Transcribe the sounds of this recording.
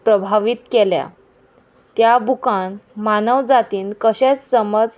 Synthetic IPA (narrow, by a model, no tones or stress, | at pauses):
pɾəbʱaʋiːt̪kelja̰ | t̪jabukanmanəʋd͡zat̪iːnkəɕet͡ssəməd͡z